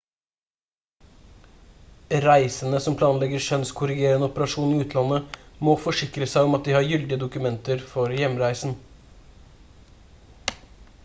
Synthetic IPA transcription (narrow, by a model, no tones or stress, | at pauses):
ɾæɪsənəsɔmpʰlɑːnlɛɡəʂœnskʰʊɾɪɡeːɾənəɔpəɾɑʂuːniːʉːt̪ʰlɑnːəmoːfɔʂɪkɾəsæɪɔmɑt̪̚d̪iːhɑːɾjʏld̪ɪəd̪ʊkʉmɛnt̪əɾfɔɾjɛmɾæɪsn̩